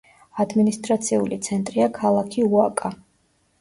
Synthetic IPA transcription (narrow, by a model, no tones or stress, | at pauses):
ad̪minist̪ʼɾat̪sʰiulit̪sʰɛnt̪ʼɾiakʰalˠakʰiuakʼa